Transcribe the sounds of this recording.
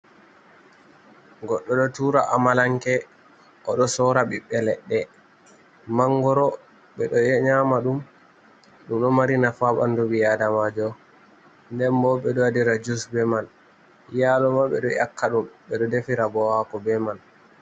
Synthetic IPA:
ɡɔɗːɔɗɔtuɾaʔamalaŋkɛ | ʔɔɗɔsɔɾaɓiɓːɛlɛɗːɛ | maŋɡɔɾɔ | ɓɛɗɔjɛɲamaɗum | ɗumɗɔmaɾinafaɓandɔɓijadamad͡ʒɔ | ndɛnbɔɓɛɗɔadiɾad͡ʒusbɛman | jaːlɔmaɓɛ̰ɗɔjakːaɗumɓɛɗɔdefiɾabɔhakɔbɛman

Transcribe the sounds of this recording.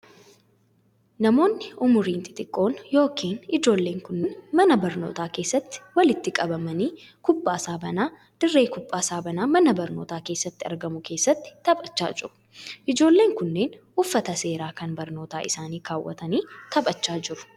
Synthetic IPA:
nɐmo̞ːnːɪʊmʊɾiːnt̪ʼɪ̥t̪ʼɪkʼːo̞ːnjo̞ːkʰiːnɪd͡ʒo̞ːlːe̞ːŋkʊnːɪnmɐnɐbɐɾno̞̰ːt̪aːke̞ːsːɐt̪ːɪ̥wɐlɪt̪ːɪkʼɐbɐmɐniː | kʊpʼːaːsaːbɐnaː | d̪̥ɪrːeːkʊpʼːaːsaːbɐnaːmɐnɐbɐɾno̞ːt̪aːke̞ːsːɐt̪ːɪɐ̰ɾɡɐmʊkʰe̞ːsːɐt̪ːɪ̥t̪ɐbɐt͡ʃːa̰ːd͡ʒɪɾʊ̥ | ʔɪd͡ʒo̞ːlːe̞ːŋkʊnːe̞ːnʔʊfːɐt̪ɐse̞ːɾaːkɐnbɐɾno̞ːt̪aːʔɪsaːniːkaːwːɐ̰t̪ɐniːt̪ʰɐbɐt͡ʃːaːd͡ʒɪɾʊ̥

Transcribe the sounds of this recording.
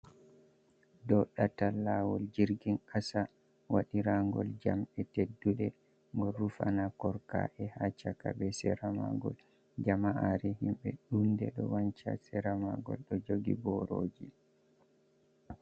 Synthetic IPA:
dɔɗatalːawɔld͡ʒiɾɡinʔasa | waɗiɾaŋɡɔ̰ld͡ʒamɛtedːuɗɛ | ŋɡɔɾufanakɔɾka̰ʔɛhat͡ʃakabɛsɛɾamaɡɔ̰l | d͡ʒamaʔaɾɛhimɓɛɗundɛɗɔwaɲt͡ʃa̰sɛɾamaɡɔ̰lɗɔd͡ʒoɡḭbɔɾoːd͡ʒi

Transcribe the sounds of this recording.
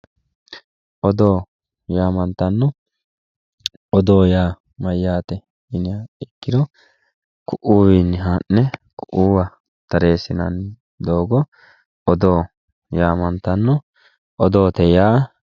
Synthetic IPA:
ʔɔd̪o̞ː | jaːmɐnt̪ɐnːɔ | ɔd̪oːjaː | mɐjːaːt̪ɛ | ɪnɪaɪkːɪd̪ɔ | kʊʔuːwinːɪɦanːɛkʊʔuːwɐ | t̪ɐɾeːsɪnɐn | d̪o̞ːɡɔ | ɔd̪o̞ː | jaːmɐnt̪ɐnːɔ | ʔɔd̪o̞ːt̪ɛjaː

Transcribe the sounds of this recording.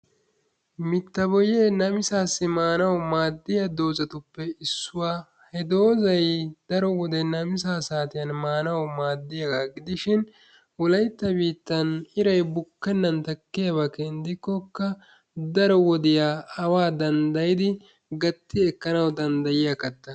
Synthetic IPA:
mɪt̪ːɐbɔjeːnɐmɪsaːsːɪmaːnɐwmaːd̪ːɪjɐd̪o̞ːzɐt̪ʊpːɛɪsːʊwaː | hɛd̪o̞ːzɐjd̪̥ɐɾɔwɔd̪ɛnɐmɪsaːsaːt̪ɪjɐnmaːnɐwmaːd̪ːɪjɐɡaːɡɪd̪ɪʃɪn | wɔlɐjt̪ːɐbiːt̪ːɐnɪɾɐjbʊkːɛnːɐnt̪ɐkːɪjɐbɐkːɛɪnd̪ɪkːɔkːɐ | d̪ɐɾɔwɔd̪ɪjaːɐwaːd̪ɐnd̪ɐjɪd̪ɪ | ɡɐt̪ːɪɛkːɐnɐwd̪ɐnd̪ɐjɪjɐkɐt̪ːɐ

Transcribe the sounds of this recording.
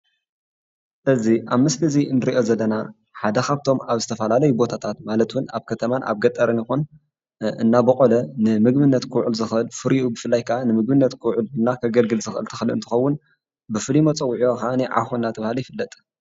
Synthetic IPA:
ʔɨziʔaβmɨslɨzinɨɾiʔo̞zɐlːɐna | ħad̪ɐxaβt̪ʰo̞maβzɨt̪ʰɐfɐlalɐjubo̞t̪ʰat̪ʰat̪malɐt̪wuna̰βkʰɐt̪ʰɐmanʔa̰βɡɐt̪ʼɐɾɐnixun | ɨ̰nːabɐkʼolɐnɨmɨɡbɨnːɐt̪kʰɨwʕulzɨxɨlfɨɾiʔubɨfɨlːajkʰaʔanɨmɨɡ̚bɨnːɐt̪kʰɨwʕulɨnːakʰɐɡɐlɡɨlzɨxʔɨ̰lt̪ʰɨxɨlɨnt̪ʰɨ̥xɐwːʊn | bɨfɨlimɐt͡sʼɐwːʕoxaniʕa̰xuɨnːat̪ʰɐβahalijɪfɨlːɐt̪ʼ

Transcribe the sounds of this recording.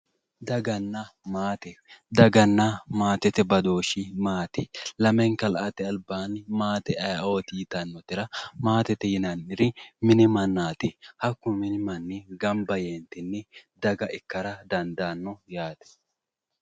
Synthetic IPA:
d̪ɐɡɐnːɐmaːt̪ɛd̪ɐɡɐnːɐmaːt̪ɛt̪ɛbɐd̪o̞ːʃɪmaːt̪ɛlɐmɛŋkɐlʔɐt̪ɛɐlbaːnmaːt̪ɛɐjɐoːt̪ɪːt̪ɐnːɔt̪ɪɾɐmaːt̪ɛt̪ɛjɪnɐnɪɾɪmɪnɪmɐnːaːt̪ɪhɐkːʊmɪnɪmɐnːɪɡɐmbɐjeːnt̪ɪnːɛd̪ɐɡɐʔɪkːɐɾɐd̪ɐnd̪aːnːɔjaːt̪ɛ̥

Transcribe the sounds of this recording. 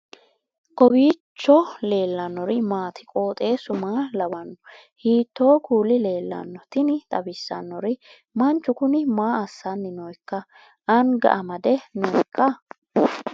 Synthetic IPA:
kʼɔbiːt͡ʃːɔle̞ːlːɐnːɔɾɪmaːt̪ɪ̥kʼo̞ːt̪ʼe̞ːsʊmaːlɐbɐnːɔ | hiːt̪ːoːkʰuːlɪle̞ːlːɐ̰nːɔt̪ɪnɪt̪ʼɐbɪsːɐ̰nːɔɾɪ | mɐnt͡ʃːʊkʊnɪmaːɐsːɐnːɪnɔjkːɐ | ʔɐnɡɐ̰ʔɐmɐd̪ɛnɔjkʰːɐ

